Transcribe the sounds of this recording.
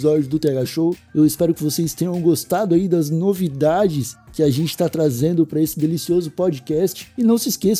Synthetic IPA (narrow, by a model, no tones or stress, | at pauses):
zɔd͡ʒjʊd̪ʊt̪ɛɡaʃowewɪspɛɾʊkɪvosest̪ẽɲɐ̃w̃ɡost̪ad̪ʊaid̪ɐznovid̪ad͡ʒɪskɪaʒẽnt͡ʃɪ̥t̪at̪ɾazẽnd̪ʊpɾɐesɪd̪elisiozʊpɔd͡ʒikɛst͡ʃɪ̥ːnɐ̃w̃sɪskes